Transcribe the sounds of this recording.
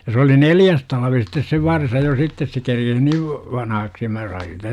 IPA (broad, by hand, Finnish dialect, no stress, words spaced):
jɑ se oli neljæs tɑlʋi sitːes se ʋɑrsɑ jo sitːes se kerkes niːʋ ʋɑnɑhɑksi jɑ mæ sɑin siːtæ